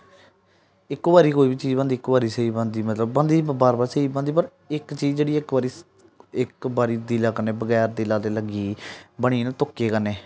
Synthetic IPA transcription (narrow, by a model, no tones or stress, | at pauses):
ɪkːʋaːɾiːkoːiːbiːt͡ʃiːd͡ʒbə̃nd̪iːkʋaːɾiːseiːbə̃nd̪iːmət̪ləbːə̃nd̪iːəbaːɾbaːɾseiːbə̃nd̪iːp̬əɾ | ɪkt͡ʃiːzd͡ʒeːɽiːɪkbaːɾiː | ɪkbaːɾiːd̪ilaːkəneːbəɡɛːɾd̪ilaːt̪eːləɡiːbəɽ̃iːnːt̪ʊkːeːkəneː